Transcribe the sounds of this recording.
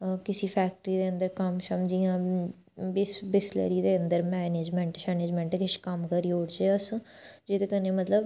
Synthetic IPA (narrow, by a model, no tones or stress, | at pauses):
kɪsiːpʰɛːk̚ʈɾiːd̪eːə̃nd̪əɾkəmsəmd͡ʒiːãː | bɪsbɪslə̰ɾiːd̪eːənd̪əɾmɛːneːd͡ʒmɛ̃ɳʈʃɛːneːd͡ʒmɛ̃ːɳʈːkɪʃkəmkəɾiːoːɽt͡ʃeːəs | d͡ʒet̪ekəneːmət̪ləb